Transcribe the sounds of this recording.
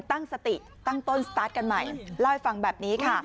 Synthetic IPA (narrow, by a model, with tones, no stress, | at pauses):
t̪a˥˩ŋsa˧t̪i˨˩ | t̪a˥˩ŋt̪o˥˩nst̪aː˦˥t̪̚ka˧nma˨˩jla˥˩jfa˧ŋbɛː˨˩p̚niː˦˥kʰa˥˩